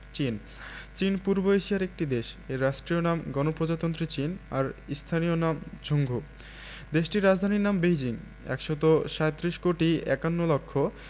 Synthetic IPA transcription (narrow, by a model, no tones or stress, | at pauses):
t͡ɕin | t͡ɕinpuɾboeʃijaɾek̚ʈid̪eʃeɾaʃʈɾionamɡɔnopɾod͡ʑat̪ont̪ɾit͡ɕina̰ɾist̪ʰanionamd͡ʑʱoŋɡʱu | d̪eʃʈiɾːad͡ʑd̪ʱaniɾnambejd͡ʑiŋ | ɛ̰kʃot̪̬oʃaet̪ːɾiʃkoʈiɛ̰kanːolɔkʰːo